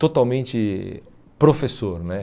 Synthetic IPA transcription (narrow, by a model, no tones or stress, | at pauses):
t̪ot̪awmẽnt͡ʃɪ | pɾofesoɾnɛ